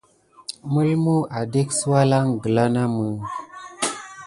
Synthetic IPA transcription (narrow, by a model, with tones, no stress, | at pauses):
mə˦lmu˦ʔa˨de˦ksə˦wa˦la˦ŋɡə˨la˦na˦mə˨